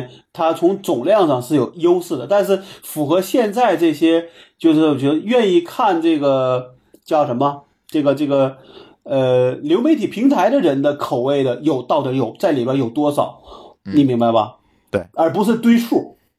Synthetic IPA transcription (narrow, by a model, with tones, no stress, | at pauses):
t̪ʰa˥t͡sʰʊ˧˥ŋt͡sʊ˨˩ŋljɑ˥˧ŋʂɑ˥˧ŋʂɻ̩˥˩jo˨˩ʊjo˥ʊsɹ̩˥˩d̪ə˩t̪a˥˧nʂ̬ɻ̩˥˩fu˨˩xɤ˧˥ɕjɛ˥˧nt͡sa˥˧ɪʈ͡ʂɤ˥˩ɕjɛ˥t͡ɕjo˥˧ʊʂɻ̩˥˩t͡ɕɛ˧˥˧ɥɛ˥˧ni˥˧kʰa˥˧nʈ͡ʂɤ˥˩ɡə˩ | t͡ɕjɑ˥˩ʊʂə˧˥nmə˧ | ʈ͡ʂɤ˥˩ɡə˩ʈ͡ʂɤ˥˩ɡə˩ | ə˧ljo˧˥ʊme˧˥ɪt̪ʰi˨˩pʰi˧˥ŋt̪ʰa˧˥ɪɾə˧ɻə˧˥nd̪ə˧kʰo˨˩ʊwe˥˩ɪd̪ə˩jo˨˩ʊt̪ɑ˥˩ʊt̪ə˧˥jo˨˩ʊt͡sa˥˩ɪli˨˩ba˥jo˨˩ʊt̪wɔ˥ʂɑ˨˩˦ʊni˧˥ŋmi˧˥ŋba˥˧ɪbɐ̰˩ | ə˞˧˥pu˧˥ʂɻ̩˥˧t̪we˥ɪʂu˥˩